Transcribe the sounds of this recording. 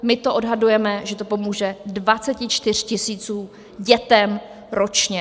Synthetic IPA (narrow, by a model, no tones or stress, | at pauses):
mɪt̪oʔo̞dɦadujɛmɛʒɛt̪o̞po̞muːʒɛdvat͡sɛcɪt͡ʃt̪ɪr̝̥cɪsiːt͡suː | ɟɛt̪ɛm | ɾo̞t͡ʃɲɛ